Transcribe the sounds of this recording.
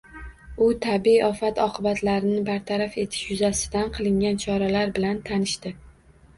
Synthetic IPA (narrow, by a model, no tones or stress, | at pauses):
ʊt̪ʰabɒfat̪ʰɒqʰɨbat̪ʰlaɾɪnɪbaɾt̪ʰaɾafe̞t̪ʰɪ̥ʃjʊzasɪ̥d̪anqʰɨlˠɪŋɡʲant͡ʃʰɒɾalaɾbɪlant̪ʰanɪʃt̪ɪ